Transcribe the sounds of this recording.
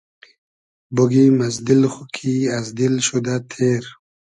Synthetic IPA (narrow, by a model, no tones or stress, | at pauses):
boɡimazd̪ilχukʰiazd̪ilʃud̪at̪ʰeɾ